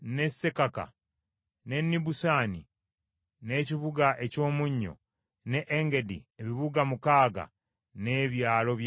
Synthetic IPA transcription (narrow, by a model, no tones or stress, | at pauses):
ne̞sːe̞kaka̰ | ne̞nːibusaːni | ne̞ciβuɡaʔe̞co̞ːmuɲːo̞̰ | neʔːŋɡe̞dḭeβiβuɡamukaːɡa̰ | ne̞ːβjaːlo̞βj